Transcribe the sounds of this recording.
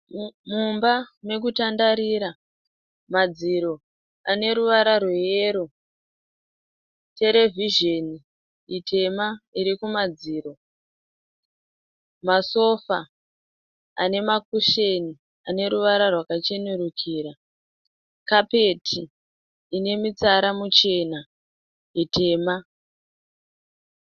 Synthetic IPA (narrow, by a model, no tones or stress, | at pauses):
mumbame̞k̬utandaɾiɾa | mad͡ziɾo̞ | ane̞ɾuʋaɾarwejeːɾo | te̞ɾe̞viʒe̞ni | itʰe̞maiɾikumad͡ziːɾo̞ | maso̞fa | a̰ne̞makuʃeni | ane̞ɾuʋaɾarwakat͡ʃe̞nuɾukʰiːɾa | kape̞tʰiː | ne̞mit͡saɾamut͡ʃe̞na | itʰe̞ːma